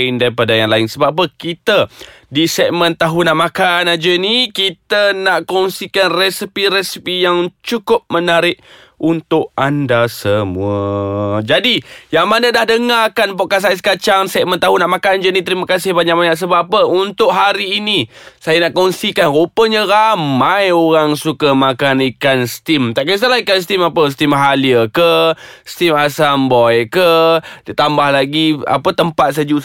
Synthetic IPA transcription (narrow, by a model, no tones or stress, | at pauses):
ɪndaɾipadajaŋlaɪnsəbaʔap̬əkit̪ə | disɛʔ̚mə̃nt̪aɦunaʔmakanad͡ʒənikit̪ənaʔkɔŋsikanrɛsipiɾɛsipijaŋt͡ʃukʊp̚mənaɾɪʔ̚ | unt̪ʊʔandasəmuəd͡ʒadijaŋmanədahdəŋakanpoʔkas̬ajas̬ə̥kat͡ʃaŋsɛʔ̚mənt̪aɦunaʔmakand͡ʒunit̪əɾiməkas̬ɪhbaɲaʔ̚baɲaʔs̬əbapəunt̪ʊʔɦaɾiːnisajanaʔkɔnsikanɾupəɲə̃ɾamajoɾaŋsukamakanikanst̪imt̪aʔkas̬alaikanst̪imapəst̪imɦaliəkəst̪imasambɔjkədət̪ambahlaɡia̰pət̪əmpat̪̚s̬əd͡ʒu